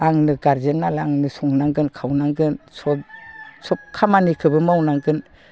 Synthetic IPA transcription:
aŋnɯɡaɾzenːalaŋnɯsɔŋnaŋɡɯnkʰawnaŋɡɯnsɔsɔp̚kʰamanikʰɯbɯmawnaŋɡɯn

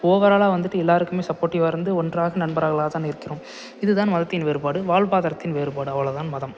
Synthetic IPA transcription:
oːʋɐɾaːlaːʋɐnd̪ɯʈːɯɛlːaːɾɯkːɯmeːsɐpːoːɾʈːiʋɐɾɯnd̪ɯɔndraːɣɐnɐnbɐɾaːɣɐlaːɐt̪aːnɪɾɯkːɪɾõm | ɪðɯt̪aːnmɐðɐt̪ːɪnʋeːɾɯpaːɽɯʋaːɭbaːðɐɾɐt̪ːɪnʋeːɾɯpaːɽɯɐʋɐɭɐt̪aːnmɐðɐm

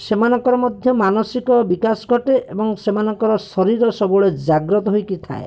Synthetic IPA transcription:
semanɔŋkɔɾɔmɔd̪ʱjɔmanɔsikɔbikasɔɡʱɔʈeʔebɔŋsemanɔŋkɔɾɔsɔɾiɾɔsɔbɔɭed͡ʒaɡɾɔt̪ɔɦojkit̪ʰa̰e

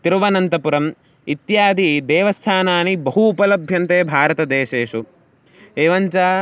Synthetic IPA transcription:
t̪iɾʋɐnɐnt̪ɐpuɾɐm | it̪jaːd̪id̪ɛːʋɐst̪ʰaːnaːnibɐɦuːpɐlɐbʱjɐnt̪eːbʱaːɾɐt̪ɐd̪eːʃeːʂu | eːʋɐɲt͡ʃaː

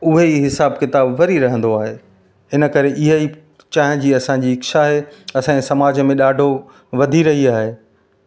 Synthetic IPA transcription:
ʊɦeiɦɪsaːbkɪt̪aːbʋɐɾiɾɐɦə̃nd̪oaːɦe | ɪnə̆kɐɾeʔɪɦəi | t͡ɕãːɦɪ̃d͡ʑiːɐsãɲd͡ʑiɪkʃaɦeɐsãːesɐmaːd͡ʑmẽɗaːɖʱo | ʋɐd̪ʱiɾɐɦiaːɦeː

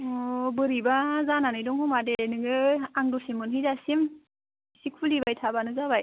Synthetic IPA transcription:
ɔbɯɾibazananɯjdɔŋhɔmadeenɯŋɯaŋdɔsimɯnɦizasim | sik̚ʰulibajtʰabanɯzabaj

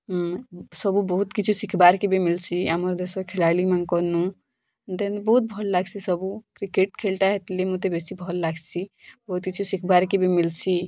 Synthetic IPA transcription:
səbubɔɦut̪kit͡ʃʰusikʰbaɾkebemilsiaməɾd̪esɔkʰelalimãnkɔnu | d̪enbɔɦut̪̚bʱɔllaɡsʰisəbukɾikeʈkʰelʈ̪aɦet̪lemut̪ebesibʱɔlːaɡsʰibəɦut̪kit͡ʃʰusikʰbaɾkebimilsʰi

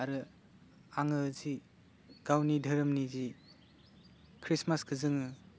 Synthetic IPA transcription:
aɾɯ | aŋɯzi | ɡ̥awnidʱɐɾɯmnizi | kʰɾismasɡʰɯzɯŋɯ

